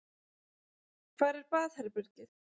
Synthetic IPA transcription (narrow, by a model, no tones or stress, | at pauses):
kʰv̥aːɾɛɾpaːðhɛɾpʏɾcɪθ